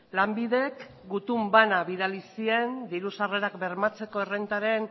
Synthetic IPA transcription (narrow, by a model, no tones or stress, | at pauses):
lambiðe̞k | ɡut̪umbanaβiðalisie̞nd̪iɾusare̞ɾakbe̞ɾmat͡se̞ko̞erent̪aɾe̞n